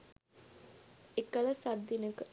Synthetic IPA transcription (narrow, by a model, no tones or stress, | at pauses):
ekələsad̪ːinəkə